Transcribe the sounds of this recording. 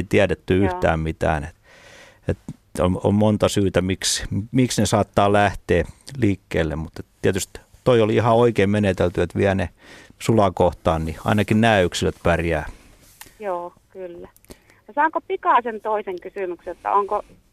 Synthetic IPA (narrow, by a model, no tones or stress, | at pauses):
it̪iædet̪ːyyht̪æ̰ːmmit̪æ̰ːnet̪ | et̪ | o̰mo̰mmont̪ɑsyːt̪æmiksmiksnesɑːt̪ːɑːlæht̪eːliːkːeːlːemmut̪et̪t̪iæt̪yst̪t̪oioliihɑoikeːmmenet̪elt̪yet̪ʋiæne | sulɑkoht̪ɑːnniɑ̰inɑkinnæːyksiløt̪pærjæː | joː | kylːæ | jɑsɑŋkopikɑˑsent̪oiseŋkysymyksjot̪ːɑ̰oŋko